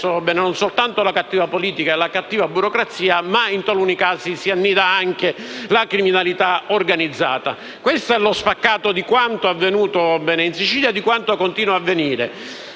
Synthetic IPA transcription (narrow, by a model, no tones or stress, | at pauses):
obɛːnnonsolt̪ant̪olakat̪ːiːvapoliːt̪ikaelakat̪ːiːvabuɾokɾat̪sːiːamaint̪alunikaːsisianːiːd̪aaŋk̟elakɾiminalit̪aorɡanid̪zːa̰ːt̪a̰ | kwest̪oɛlospakːaːt̪od̪ikwant̪oavːenuːt̪oɔbɛːneinsit͡ʃiːljaed̪ikwant̪okont̪iːnwaavːeniːɾḛ